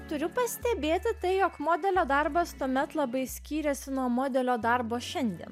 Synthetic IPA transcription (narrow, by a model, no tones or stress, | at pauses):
t̪ʊɾʲʊpɐsʲt̪ʲɛbʲeːt̪ʲɪt̪ɐɪjoːkmoːd̪ʲɛlʲoːd̪ɐɾbɐst̪uɔmʲɛt̪lˠɐbɐɪsʲkʲiːɾʲɛsʲɪnuɔmoːd̪ʲɛlʲoːd̪ɐɾboːʃʲɛnʲd̪ʲḭɛn